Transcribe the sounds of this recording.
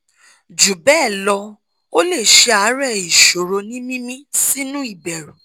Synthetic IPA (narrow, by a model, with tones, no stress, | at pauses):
d͡ʒu˨bɛː˦˨lɔ˧ | o˦le˦˨ʃe˧a˨˦ɾɛ˦˨i˨ʃo˨ɾo˧nĩ˦mĩ˦mĩ˦si˦nũ˦i˦˨bɛ˨ɾu˨